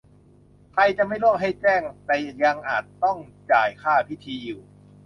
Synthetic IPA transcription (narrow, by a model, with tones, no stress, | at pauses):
kʰɾa˧jt͡ɕa˨ma˥˩jlu˥˩əŋɦa˥˩jt͡ɕɛː˥˩ŋt̪ɛː˨˩ja˧ŋʔaː˨˩t̪ːɔ˥˩ŋt͡ɕaː˨˩jkʰaː˥˩pʰi˦˥˩t̪ʰiː˧juː˨˩